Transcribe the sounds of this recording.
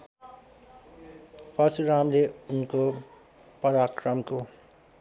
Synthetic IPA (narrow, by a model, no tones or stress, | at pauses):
pʌsuɾamleunko | pʌɾakrʌmko